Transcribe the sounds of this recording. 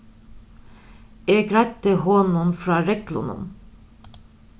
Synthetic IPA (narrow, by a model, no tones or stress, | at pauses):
eːɡɾæɪt̪̚əhoːnʊnfɾɑːɾɛklʊ̰nʊ̰n